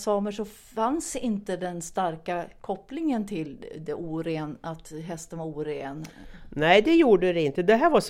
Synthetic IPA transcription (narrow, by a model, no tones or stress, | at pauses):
sɑːməʂɔ | fansɪnt̪əd̪ɛnst̪aɾkakʰɔplɪŋənt̪ʰɪld̪ɛʔuːɾeːnat̪ɦɛst̪ənvaɾuːɾeːnnæɪd̪ɛjuːɖəɾɛɪnt̪əd̪ɛɦæːɾvas